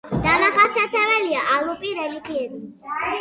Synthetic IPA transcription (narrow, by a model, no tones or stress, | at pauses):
d̪̥amaχasʰat̪ʰɛvɛliaʔalˠupʼiɾɛlikʰʼiɛbi